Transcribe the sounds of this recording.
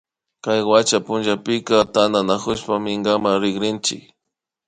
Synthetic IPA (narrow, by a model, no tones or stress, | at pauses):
kajwat͡ʃapʊnʒapɪkat̪and̪anakʊʃpamɪŋɡamaɾɪɡɾɪnt͡ʃɪ̰k